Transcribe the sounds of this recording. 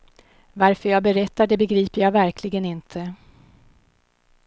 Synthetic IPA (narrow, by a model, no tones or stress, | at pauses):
vaɾfœɾjɑːɡbɛɾɛt̪ːaɖɛbɛɡɾiːpəɾjɑːvæɾkʰlɪɡənɪnt̪ʰə